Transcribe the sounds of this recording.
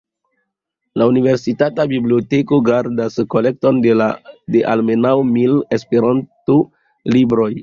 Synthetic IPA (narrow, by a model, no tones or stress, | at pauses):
launive̞ɾsitatabiblio̞te̞ko̞ɡaɾdaskole̞k̚to̞ndeadeʔalme̞nawmile̞speɾanto | libɾo̞j